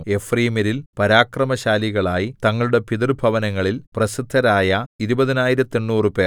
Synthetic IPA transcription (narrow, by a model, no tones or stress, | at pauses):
e̞friːmiɾilpɐɾaːkrɐmɐɕaːliɣɐɭaːjit̪ɐŋːɐɭuɽe̞piðɐrbʱɐʋɐnɐŋːɐɭilprɐsid̪ʱːɐɾaːjɐiɾubɐðinaːjiɾɐt̪ːeɳːuːrɨpe̞ːr